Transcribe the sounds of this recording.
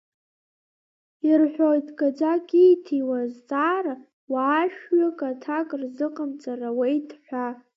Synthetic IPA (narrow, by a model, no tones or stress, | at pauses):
irħᶣʷojtʰʼɡʼad͡ʒʷakʼiːtʰiwazt͡sʼaːra | waːʃᶣɥakʼatʰakʼrzɨqʼəmt͡sʼarawejtʰʼħʷa